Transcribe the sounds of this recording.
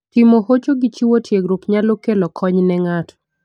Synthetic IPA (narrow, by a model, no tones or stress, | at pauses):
timohot͡ʃoɡit͡ʃiwotʰjeɡɾokɲalokelɔkʰɔɲnɛŋatʰɔ̥